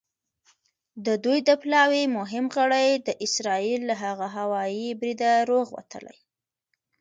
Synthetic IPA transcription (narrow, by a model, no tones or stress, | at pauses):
d̪əd̪ujd̪əplɑwemʊɦɪmɣəɽajd̪əʔɪsɾɑilːaɦaɣaɦawɑjibɾid̪aɾoɣwa̰t̪ə̰la̰j